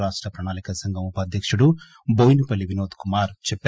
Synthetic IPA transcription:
ɾaːʂʈɾɐpɾɐɳaːnikɐsɐŋɡɐmupaːd̪ʱjɐkʂuɽu | boːjnipɐlːiʋinoːt̪kumaːɾt͡ʃɛpː

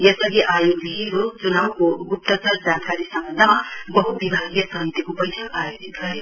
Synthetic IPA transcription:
jesʌɡiʔajoɡiɾot͡sunawkoɡup̚t̪ʌt͡sʌrd͡zankaɾisʌmbʌnd̪ʱamabʌɦut̪̚bibʱaɡjʌsʌɦit̪ikopʌjsaajod͡zit̪̚ɡʌɾjo

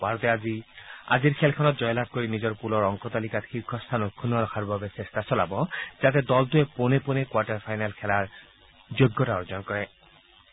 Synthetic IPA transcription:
baɹɔt̪ɛazia̰d͡ʑiɾkʰɛlkʰɔnɔt̪̚d͡ʑɔjlab̚koɹinid͡ʑɔɹpulɔɹɔŋkɔt̪alikat̪xikʰːɔst̪ʰanɔt̪̚kʰunɔɾɔkʰaɹbabesest̪asɔlabɔd͡ʑat̪̬ed̪ɔlt̪ueponeponekwaʈaɹpʰajnalkʰɛlaɹ | d͡ʑoɡːɔtaɔɹzɔnkɔɹɛ

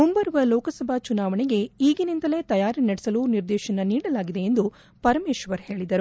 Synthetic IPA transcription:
mumbɐɾʋɐlɔːkɐsɐbʱat͡ʃunaːʋɐɳeɡe̞iːɡinind̪ɐle̞t̪ɐjaːɾɐnɐɽɛsɐluniɾd̪ɛːʃɐnɐniːɽɐlaːɡid̪e̞end̪u | pɐɾɐmeːʃʋɐɾhe̞ːɭid̪ɐɾu

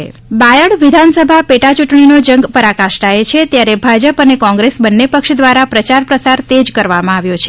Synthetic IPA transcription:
bajəɭʋid̪ʱansəbʱapeʈat͡ʃuʈɳinod͡ʒəŋɡpəɾakaʃʈaet͡ʃʰet̪jaɾebʱad͡ʒəpənekɔ̃ŋɡɾesbənːepəkʃd̪ʋaɾapɾət͡ʃaɾpɾəsaɾt̪ed͡ʒkəɾʋamãaʋjot͡ʃʰe

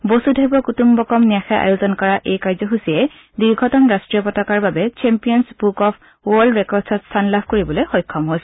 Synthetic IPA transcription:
bosudʱabɔkutumbɔkɔmnijaxɛʔa̰juzɔnkɔɹaʔejkaɹzɔxusiɛ | diɹɡʱɔtɔnɹastɹiɔpɔtɔkaɹbabɛt͡ʃɛmpijɔnsbukɔpʰ | wɔldɹɛkɔdsɔtstʰanlabʱkoɹibɔlojxɔjkʰːɔmɦojsɛ̥

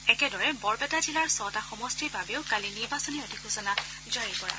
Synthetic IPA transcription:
ɛkɛdɔɹɛbɔɹbɛtazilaɹsɔtaxɔmɔstibʱabeʊkaliniɹbasɔniɔtixʰusɔna | zaɹikɔɹa̰

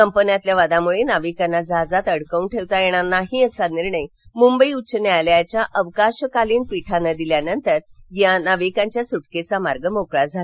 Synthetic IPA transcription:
kəmpənjat̪ljaʋad̪ãmuɭenaʋikanːad͡zad͡zat̪əɽkəwnʈʰeʋt̪ajeɽ̃anaɦiəsaniɾɳəj | mumbəiut͡ɕənajljat͡ɕjaʔəʋkaɕkaliːnpiʈʰanːad̪iljanənt̪əɾjanaʋikãɲt͡ɕjasuʈket͡samaɾɡəmokɭad͡zʱala

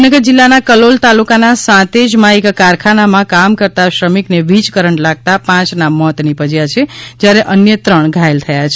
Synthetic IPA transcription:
nəɡəɾd͡ʒilːanakəlolt̪alukanasãt̪ed͡ʒmãekːaɾkʰanamãkamkəɾt̪aʃɾəmikneʋid͡ʒkəɾəɳlaɡ̚t̪apãt͡ʃnamɔt̪nipəd͡ʒjat͡ʃʰed͡ʒjaɾeʔənjət̪ɾəɳɡʱaelt̪ʰəjat͡ʃʰe

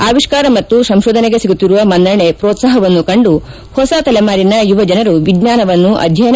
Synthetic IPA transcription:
aːʋiʂkaːɾɐmɐt̪ːusɐmʃoːd̪ʱɐneɡe̞siɡut̪ːiɾuʋɐmɐnd̪ɐɳepɾoːt̪saːɦɐʋɐnːukɐɳɖu | hɔsat̪ɐlemaːɾinɐjuʋɐd͡ʒɐnɐɾuʋiɡɲaːnɐʋɐnːuʔɐ̰d̪ʱjɐjn

